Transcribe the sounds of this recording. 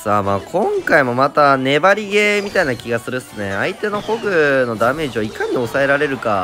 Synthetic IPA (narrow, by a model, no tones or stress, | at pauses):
saːmaːkʰõ̞ŋkaimo̞mat̪ane̞baɾʲiɡe̞mʲit̪ainakʲiɡasɨɾɯ̟sɨneait̪e̞no̞ho̞ɡɯ̟no̞d̪ame̞ːʑiβaikaɲ̟io̞sae̞ɾaɾe̞ɾɯ̟ka